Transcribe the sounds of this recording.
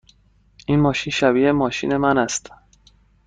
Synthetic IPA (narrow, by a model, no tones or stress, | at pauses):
ʔinmɒːʃinʃæbiːʔemɒːʃḭːne̞mænæst̪